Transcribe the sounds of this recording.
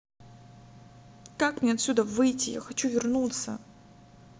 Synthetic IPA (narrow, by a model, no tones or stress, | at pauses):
kakmnʲeɐt̪ʲsʲud̪əvɨjtʲɪja̰xɐt͡ɕuvʲɪrnut̪sə̰